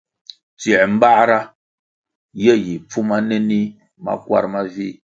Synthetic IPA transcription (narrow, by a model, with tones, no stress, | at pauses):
ti˨ɛ˨m̩˦ba˦ɾa˦ | je˦ji˨p͡fu˦ma˦ne˦ni˦ | ma̰˦kwa̰˦ɾma˦vi˦